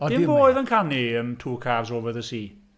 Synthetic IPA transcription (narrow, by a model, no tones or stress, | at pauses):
ɔɪboːjðənkʰaniəmtʰuːkʰaːvzoːvəðəsiː